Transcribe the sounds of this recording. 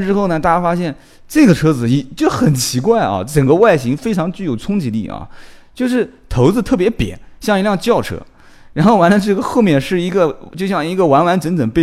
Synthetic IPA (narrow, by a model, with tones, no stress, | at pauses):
ʈ͡ʂɻ̩˥xo˥˩ʊnə˩t̪a˥˧t͡ɕa˥˩fa˥ɕjɛ˥˩n | ʈ͡ʂɤ˥˩ɡə˩ʈ͡ʂʰɤ˥d͡zɹ̩˨˩i˨˩t͡ɕjo˥˩xə˨˩nt͡ɕʰi˧˥kwa˥˩ɪɐ̰˩ʈ͡ʂə˨˩ŋɡə˦wa˥˩ɪɕi˧˥ŋfe˥ɪʈ͡ʂʰɑ˧˥ŋt͡ɕy˥˩jo˨˩ʊt͡sʰʊ˥ŋt͡ɕi˧˥lḭ˥˩ɐ̰˧˩t͡ɕjo˥˧ʂ̬ɻ̩˥˩t̪ʰo˧˥ʊt͡sɹ̩˧t̪ʰɤ˥˩p̬jɛ˧˥pjɛ̰˨˩˦nɕjɑ˥˩ŋi˧˥ljɑ˥˧ŋt͡ɕjɑ˥˩ʊʈ͡ʂʰɤ̰˥ | ɻa˧˥nxo˥˩wa˧˥nlə˧ʈ͡ʂɤ˥˩ɡə˩xo˥˧ʊmjɛ˥˩nʂɻ̩˥˩i˧˥ɡə˧t͡ɕjo˥˧ɕjɑ˥˩ŋi˧˥ɡə˧wa˧˥nwa˧˥nʈ͡ʂə˧˥nʈ͡ʂə˨˩ŋpe˥˧